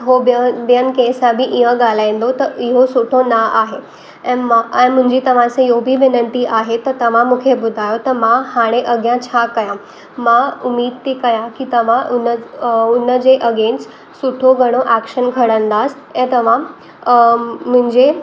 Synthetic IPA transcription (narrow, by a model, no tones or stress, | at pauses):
ɦobəbjənkesãbʱiʔiɦə̃ɡalaj̃nd̪ot̪əiɦosuʈʰonaʔaɦe | ɛ̃maə̃m̤ũɳd͡ʑit̪əʋ̤ãt͡sejobʱiːʋinəɳt̪iʔaɦet̪əɾt̪əʋ̤ãmukʰebud̪ʱajot̪əɾmahaɽ̃eʔəɡjãt͡ɕʰakəjã | maumiːd̪̚t̪ikəjãkit̪əʋ̤ãʔunəunːəd͡zeʔəɡẽnt͡s | suʈʰoɡʱəɽ̃oʔækɕənɡʱəɽə̃nd̪as | ẽt̪əʋ̤ã | m̤ũnd͡ʑe